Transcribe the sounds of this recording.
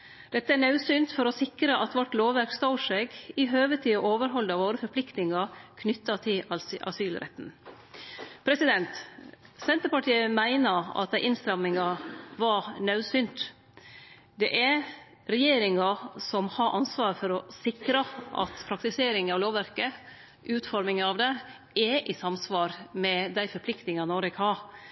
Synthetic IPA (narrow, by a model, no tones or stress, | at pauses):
d̪̥ɛt̪ːəæɳɑʉsyːnt̪fɔɾɔsɪkɾəʔɑt̪ʋɔʈloːʋʋæɾkst̪ɑʊʂɛɡɪɦøːʋət̪ʰiɔʔoːʋəɾɦɔld̪ɑʋoːɾəfɔɾpʰlɪkt̪nɪŋɑkʰnʏt̪ːɑt̪ʰɪlɑ̰syːlɾʔɛ̰t̪ːn̩ | pʰɾɛsɪd̪ɛnt̪sɛnt̪əɾpɑʈiːəmæɪnəɾɑ̰t̪̚d̪æɪʔɪnst̪ɾɑmːɪŋɑʋɑɳœʉsʏnt̪ | d̪ɛʔæɾ | ɾɛjeːɾɪŋɑsɔmhɑːɾʔɑnsʋɑːɾfɔɾɔsɪkɾɑʔɑ̰t̪pʰɾɑkt̪ɪseːɾɪŋɑʋloːʋæɾkə | ʔʉːt̪fɔɾmɪŋəɑʋd̪ɛ | ɛʔɪsɑmsʋɑːɾmɛd̪æɪfɔɾpʰlɪkt̪nɪŋɑnɔɾɛkʰɑː